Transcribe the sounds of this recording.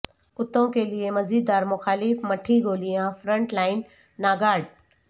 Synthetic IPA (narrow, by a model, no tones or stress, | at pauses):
ʊt̪õkeliemɐziːd̪ːaːɾmʊxaːlɪfmɐʈʰːiɡoːlijãfɾə̃ɳʈlaːɪnː | aːɡaːɖ̚